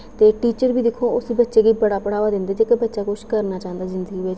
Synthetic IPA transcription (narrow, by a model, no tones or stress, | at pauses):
t̪eːʈiːt͡ʃəɾbiːd̪ɪkʰːoːʊsiːbətːʃeːɡiːbəɽaːpəɽaːʋaːd̪ɪ̃nd̪eːt̪eːkəbətːʃaːkʊʃkəɾnaːt͡ʃaːə̃nd̪aːzɪnd̪əɡiːʋɪt͡ʃ